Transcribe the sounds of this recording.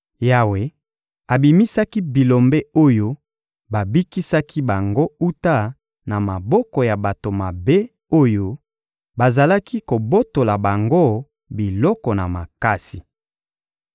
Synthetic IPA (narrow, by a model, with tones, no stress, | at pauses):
ja˨we˨ | a˨bi˨mi˦sa˦ki˦bi˨lo˨mbe˦o˦jo˦ | ba˨bi˦ki˦sa˦ki˦ba˨ŋɡo˦u˦ta˦ | na˨ma˨bɔ˦kɔ˨ja˨ba˨to˨ma˨be˦ | o˦jo˦ | ba˨za˨la˦ki˦ko˨bo˦to˨la˨ba˨ŋɡo˦˨ | bi˨lɔ˦kɔ˨na˨ma̰˨ka˦si˨